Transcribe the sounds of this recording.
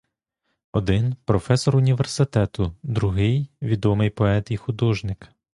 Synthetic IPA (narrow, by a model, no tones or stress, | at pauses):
ɔd̪ɪnpɾɔfɛsɔɾʊnʲiʋersɪt̪ɛt̪ʊd̪ɾʊɦɪjʋʲid̪ɔmɪjpɔɛt̪ixʊd̪ɔʒnɪk